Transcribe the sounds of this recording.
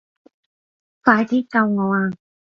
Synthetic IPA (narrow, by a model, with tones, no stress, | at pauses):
faː˧jt̪ʰiː˥kɐ˧wŋɔː˨˧aː˧